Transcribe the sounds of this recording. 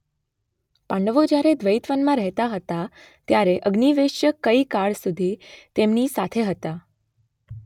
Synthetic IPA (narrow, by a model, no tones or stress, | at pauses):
pãɳɖəʋod͡ʒjaɾed̪ʋəjt̪ʋənmãɾəɦt̪aɦət̪a | t̪jaɾeʔəɡniʋeʃjəkəikaɭsud̪ʱit̪emnisat̪ʰeɦət̪a